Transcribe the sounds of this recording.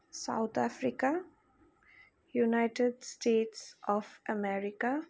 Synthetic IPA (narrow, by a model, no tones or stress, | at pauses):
sa̰ʊt̪ʰafɾika | junaɪʈeɖsʈeːʈsɔːfəmɛɾɪka